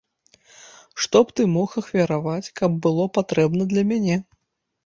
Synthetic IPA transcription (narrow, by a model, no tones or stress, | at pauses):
ʂt̪ɔpt̪ɨmɔxɐxvʲɐɾavat͡sʲkɐbːɨlˠɔpat̪ɾɛbnɐd̪lʲɐmʲanʲɛ